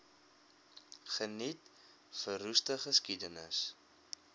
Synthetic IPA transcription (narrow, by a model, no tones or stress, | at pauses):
χənit | fərustəχəskidənəs